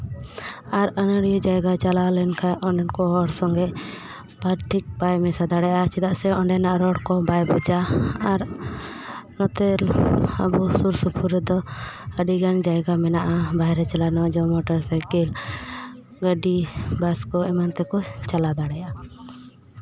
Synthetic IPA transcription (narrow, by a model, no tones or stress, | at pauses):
aɾənəɽijɔd͡ʒajɡat͡ʃalalɛnkʰãjɔ̃ɳɖɛnkɔɾɔɽsɔŋɡɛʔ | paɾʈʰik̚bajmɛsad̪aɽɛjat͡ʃɛd̪aʔsɛɔɳɖɛnaʔaɾɔɽkɔbajbud͡ʒaːɾ | nɔt̪ɛlə̰busuɾsupʰuɾd̪ɔəɖiɡand͡ʒajɡamɛnaʔabajɾɛt͡ʃalanɔd͡ʒɔmɔʈaɾsajkil | ɡəɖibaskɔɛmant̪ɛkɔt͡ʃalad̪aɽɛja